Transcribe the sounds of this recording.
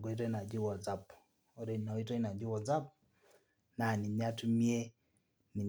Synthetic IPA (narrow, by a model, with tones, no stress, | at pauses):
ɡɔ˦i˦te˦na˨d͡ʒi˦wɔ˨za˦˨p | o˦ɾe˨nɔ˨i˦te˦na˨d͡ʒɪ˦wɔ˨d͡za˦p̚ | na˨ni˨ɲa˦tmje˦ | nɪ˨ɲ